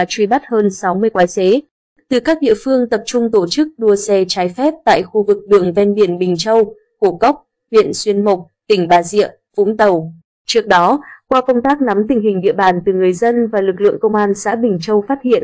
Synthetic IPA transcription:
a˨˩t͡ɕwi˧˩ɓa˦˥t̚həː˧nsa˨˦wmɨ˧əjkwaː˨˦jse˨˦ | t̪ɨ˨˩kaː˦˥k̚ɗḭ˧˨əfɨ˧əŋt̪ə˨˩p̚t͡ɕʊ˧ŋ͡mt̪o˧˩t͡ɕɨ˦˥k̚ɗu˧əsɛ˧t͡ɕaː˨˦jfɛ˦˥p̚t̪a̰ː˧˨jxu˧vɨ˨˩k̚ɗɨ˨˩əŋvɛ˧nɓi˧˩ənɓï˨˩ŋ̟t͡ɕə˧w | ku˧˩kə˦˥wk͡p̚ | hwḭ˧˨ənswi˧ənmʊ˨˩k͡p̚t̪ï˧˩ŋ̟ɓaː˨˧˩zḭ˧˨əm | vṵ˧˥ŋ͡mt̪ə˨˩w | t͡ɕɨ˦˥ək̚ɗɔ˨˦kwaː˧fə˧wŋ͡mt̪aː˦˥k̚na˨˦mt̪ï˨˩ŋ̟ɦï˨˩ŋ̟ɗḭ˧əɓaː˧˨˩nt̪ɨ˨˩ŋɨ˨˩əjzə˧nvaː˨˩lɨ˨˩k̬̚lɨ̰˧˨əŋkə˧wŋ͡mʔaː˧nsa̰ː˧˥ɓï˨˩ŋ̟t͡ɕə˧wfaː˦˥t̚hḭ˧˨ən

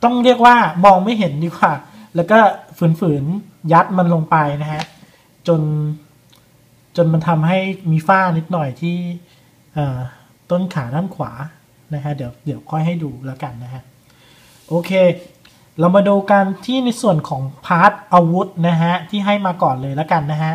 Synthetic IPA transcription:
t̪ɔ˥˩ŋɾi˥˩ək̚waː˥˩mɔː˧ŋma˥˩jɦe˩˦ndiː˧kwaː˨˩ | lɛː˦˥wkɔː˥˩fɯː˩˦nfɯː˩˦n | ja˦˥t̪̚ma˧nlo˧ŋpa˧jna˦˥kʰa˦˥ʔ | t͡ɕo˧n | t͡ɕo˧nma˧nt̪ʰa˧mɦa˥˩jmiː˧faː˥˩ni˦˥t̪̚nɔ˨˩jt̪ʰiː˥˩ | ʔɤː˨˩ | t̪o˥˩nkʰaː˩˦naː˥˩mkʰwa̰ː˩˦ | na˦˥kʰa˦˥ʔdi˨˩˦wdi˩˦əwkʰɔ˥˩jɦa˥˩jduː˧la˦˥ka˧nːa˦˥kʰa˦˥ʔ | ʔoː˧kʰeː˧ | la˧wmaː˧duː˧ka˧nt̪ʰiː˥˩na˧jsu˨˩ənkʰɔː˩˦ŋpʰaː˦˥t̪̚ʔa˧wu˦˥t̪̚na˦˥ɦa˦˥t̪ʰiː˥˩ɦa˥˩jmaː˧kɔː˨˩nlɤː˧jla˦˥ka˧nːa˦˥kʰa˦˥ʔ

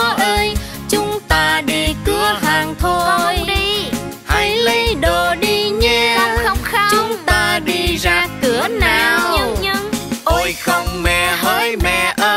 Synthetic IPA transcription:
ʔəː˧j | t͡ɕʊ˨˦˥ŋ͡mt̪aː˧ɗi˧kɨ˧əhaː˨˩ŋt̪ʰo˧jɗi˧ | hə˧˨˧jlə˧jɗo˨˩ɗi˧ɲə˧˦ə˧wxə˧wŋ͡mxt͡ɕʊ˨˧˦ŋ͡mt̪aː˧ɗi˧zaː˧kɨ˨˦ənaː˨˩wwɲɨ˧˥ŋɲɨ˧˥ŋʔo˧jxə˧wŋ͡mmɛ̰˧˨˩həː˧jmɛ̰˧˨˩ʔəː˧

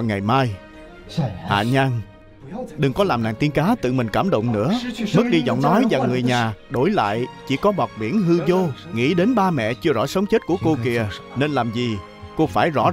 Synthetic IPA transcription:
ŋa˨˩jmaː˧j | ha̰ː˧˨ɲa˧ŋ | ɗɨ˨˩ŋkɔ˨˦laː˨˩mna̰ː˧˨ŋt̪i˧ənkaː˨˦t̪ɨ̰˧˨mï˨˩ŋ̟kaː˧˩mɗə̰˧˨wŋ͡mnɨ̰˧˥əm˦˥k̚ɗi˧zɔ̰˧˨wŋ͡mnɔ˨˦jza˨˩˨ŋːɨ˨˩əjɲaː˨˩ɗo˧˩˦jla̰ː˧˨jt͡ɕi˧˩kɔ˨˦ɓɔ˨˩k͡p̚ɓḭ˧˩ənɦɨ˧zo˧ŋḭ˧˥ɗe˨˦nɓaː˧mɛ̰˧˨t͡ɕɨ˧əzɔ̰˧˥sə˨˦wŋ͡mt͡ɕe˦˥t̚ku˧˩əko˧ki˧˩əne˧nlaː˨˩mzi˨˩ | ko˧faː˧˩jzɔ̰˧˥

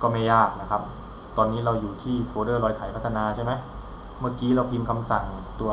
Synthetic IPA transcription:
kɔː˥˩ma˥˩jːaː˥˩k̚na˦˥kʰa˦˥p̚ | t̪ɔː˧nːiː˦˥ɾa˧wjuː˨˩t̪ʰiː˥˩foː˧dɤː˥˩ɾɔː˧jt̪ʰa˨˩˦jpʰt̪ʰːa˧naː˧t͡ɕʰa˥˩jma˦˥j | mɯ˥˩kiː˦˥ɾa˧wp̪ʰiː˧mkʰa˧msa˨˩ŋ˩t̪u˧ɐ

